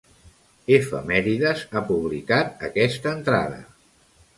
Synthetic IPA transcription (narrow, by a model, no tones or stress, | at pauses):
efə̰mɛɾiðəzapuβlikat̪̚əkɛst̪əːnt̪ɾa̰ðə̰